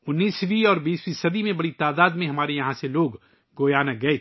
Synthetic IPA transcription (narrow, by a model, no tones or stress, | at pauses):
ʊnːiːswiɔːɾbiːswisɐd̪imẽbɐɽit̪aːd̪aːd̪mẽɦɐmaːɾejɐɦãseloːɡ | ɡoːjaːnɐɡɐe